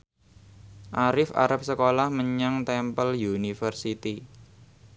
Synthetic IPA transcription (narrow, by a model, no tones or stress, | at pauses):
ʔaɾɪfa̰ɾəp̚səkolahməɲaŋt̪ɛmpəljunifərsit̪i